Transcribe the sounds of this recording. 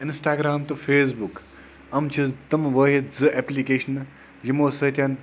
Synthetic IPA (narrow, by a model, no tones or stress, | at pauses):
ɪnsʈaːɡɾaːmt̪ufʰeːs̬buk | ɐmt͡ʃʰizt̪ɐmʋəːɦizɨʔeːplikeːʃɐn | jimoːsət̪ʲɐn